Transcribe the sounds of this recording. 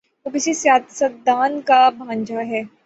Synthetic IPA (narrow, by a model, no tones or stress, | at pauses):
obɪsisjaːt̪sət̪d̪aːnkabʱãːɲd͡ʒaɦɛː